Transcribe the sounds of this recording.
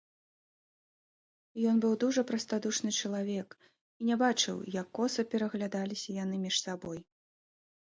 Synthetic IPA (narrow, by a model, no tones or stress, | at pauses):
jɔnbɨwd̪uʐɐpɾɐst̪ad̪uʂnɨt͡ʂɐlˠavʲɛk | inʲɛbat͡ʂɨ̰wjɐkːɔsɐpʲɛɾɐɣlʲad̪alʲisʲɐjan̪ɨmʲiʂsabɔj